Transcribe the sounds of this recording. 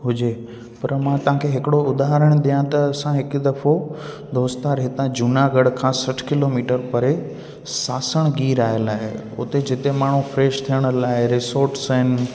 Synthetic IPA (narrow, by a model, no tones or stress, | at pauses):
ɦʊd͡ʑeː | pɐɾmãt̪ɐʋ̤ãkʰeɦɪkɪɽoʊd̪aːɦɾəɽ̃d̪ijãt̪ɐɐsãɦɪkd̪ɐfo | d̪ʱoːst̪aɾɦɪt̪ãd͡ʑunaɡɐɽkʰãːsɐʈʰkɪloːmiːʈəɾpɐɾe | saːsəɽ̃ɡiːɾaːɦɪjəlaːɦe | ʊ̰t̪ed͡ʑɪt̪emaːɳ̤ufɾeːʃt̪ʰijəɽ̃laːɪɾɪsoːɾʈsəɪnɪ̆